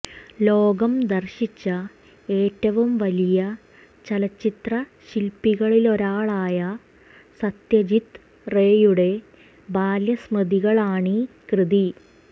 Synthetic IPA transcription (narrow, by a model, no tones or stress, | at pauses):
lo̞ːɡɐmd̪ɐrɕit͡ɕːɐ | e̞ːtːɐʋumʋɐlijɐ | t͡ɕɐlɐt͡ɕːit̪rɐɕilpːiɣɐɭilo̞ɾaːɭaːjɐ | sɐt̪jɐd͡ʑit̪ | reːjuɽe̞ | baːljɐsmɐd̪iɣɐɭaːɳi | krɨði